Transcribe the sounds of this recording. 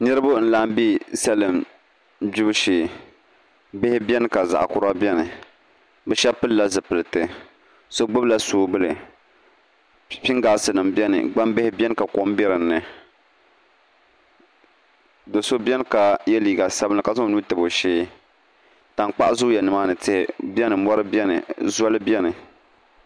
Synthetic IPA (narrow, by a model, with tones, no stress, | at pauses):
nɨ˦ɾɨ˦bʊ˦n̩˦laː˦mbi˦sɛ˦lɨ˨m | bi˦bʃeː˨ | bɪ˦hɪ˦bɛ˦nɨ˦˨ka˨za̰˨ʔa̰˨kʊ˨ɾa˦bjɛ˦nɨ˨ | bɛ˦ʃɛ˦pɨ˦lla˦zɨ˨pɨ˨lɨ˨tɨ˦ | so˦ɡ͡bɨ˦bla˦soː˦bɨ˦lɨ˨ | pi˦ŋɡaː˨sɨ˨nɨ˨mbʲɛ˦nɨ̰˨ɡ͡ba˦mbɪ˦hɪ˦bʲɛ˦nɨ˦ka˨ko˦m˦bɛ˦ɾɨ˨nːɨ˨ | do˨so˦bɛ˦n˦ka˨jɛ˦liː˨ɡa˨sa˦bɨ˦nla˨ka˨za˦˨nuː˦tɨ˨bo˨ʃeː˦ | ta˨ŋk͡pa˦ʔzʊ˦jɛ˨nɨ˨maː˦nɨ˨tɪ˦hɪ̰˦bʲɛ˦nɨ˨mɔ˦ɾɨ˦bɛ˦nɨ̰˨zɔ˦lɨ˦bjɛ˦nɨ˨